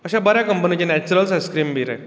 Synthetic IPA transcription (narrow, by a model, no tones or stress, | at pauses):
əɕabəɾjakəmpənit͡ɕenɛt͡ɕuɾəlsəskɾiːmbiɾɛ